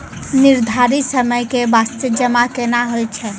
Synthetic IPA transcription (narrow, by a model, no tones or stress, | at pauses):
niɾd̪ʱaɾisəməjkebast̪əd͡ʒəmakenaɦojt͡ʃʰɛ